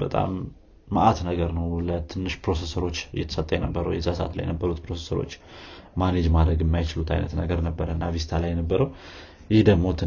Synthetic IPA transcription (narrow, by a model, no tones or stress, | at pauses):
b̥ət̪ʼa̰mː | əʔat̪nəɡəɾnəwlət̪ʰɨnːɨʃpɾo̞se̞səɾo̞t͡ʃːɨjɛt̪ʰə̥sət̪ʼːəjɛnəbːəɾə̰wjɛzasəʔa̰t̪la̰jɛnəbːəɾut̪pɾo̞sesəɾo̞̰t͡ʃːmaned͡ʒmad̪ɾəɡɨmːajt͡ʃɪlut̪ʰa̰jnət̪nəɡəɾnəbːəɾəɨnːavizɪt̪ʰalajːɛnəbːəɾəw | jɪhd̪əɡmo̞t̪ʰɨ